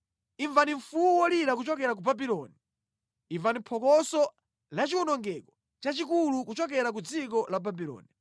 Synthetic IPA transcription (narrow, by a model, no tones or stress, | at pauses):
iɱvaniɱ̩fuuwɔliɾak̬ut͡ʃɔkɛɾak̬ubabilɔːni | iɱvanipʰɔkɔsɔ | lat͡ʃiwunɔŋɡɛkɔ̥ | t͡ʃat͡ʃikulukut͡ʃɔk̬ɛɾak̬ud͡zikɔlababilɔ̰ːni